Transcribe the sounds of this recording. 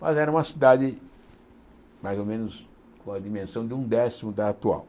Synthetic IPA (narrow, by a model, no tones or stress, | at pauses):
mazɛɾɐ̃ũmɐsid̪ad̪ɪ | majzomẽnʊs | kõɐd̪imẽsɐ̃w̃d̪ɪũd̪ɛsimud̪aat̪ua̰w